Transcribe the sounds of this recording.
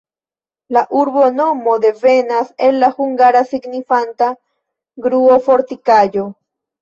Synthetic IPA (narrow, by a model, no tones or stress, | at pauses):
laʔuɾbo̞no̞mo̞d̪e̞ve̞nase̞lːahuŋɡaɾasiɡnifanta | ɡɾuofo̞ɾt̪ikad͡ʒo̞